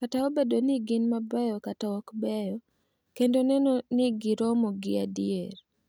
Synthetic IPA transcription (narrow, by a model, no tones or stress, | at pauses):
kataobedonɪɡɪnmabɛjɔkataɔkbɛjɔ | kendonɛnonɪɡɪɾɔmoɡɪadieɾ